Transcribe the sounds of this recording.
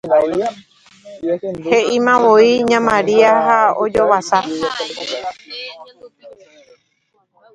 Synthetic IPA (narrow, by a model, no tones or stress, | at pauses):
heʔĩmãʋoiɲãmãɾiaɦaod͡ʒoʋasa